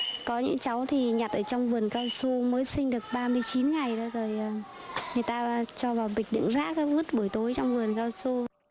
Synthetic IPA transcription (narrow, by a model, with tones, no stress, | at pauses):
kɔ˨˦ɲɨ̰˧˥ŋt͡ɕa˨˦wt̪ʰi˨˩ɲa˨˩t̚ʔəː˧˩t͡ɕɔ˧wŋ͡mvɨ˨˩ənkaː˧wso˧məː˨˦jsï˧ŋ̟ɗɨ˨˩ək̚ɓaː˧mɨ˧əjt͡ɕi˨˦nŋa˨˩jɗo˨˦zo˨˩jʔəː˨˩ | ŋɨ˨˩əjt̪aː˧t͡ɕɔ˧vaː˨˩wɓï˨˩k̟̚ɗɨ̰˧˨ŋza̰ː˦˥k̚ːvɨ˦˥t̚ɓu˧˩əjt̪o˨˦jt͡ɕɔ˧wŋ͡mvɨ˨˩ənkaː˧wso˧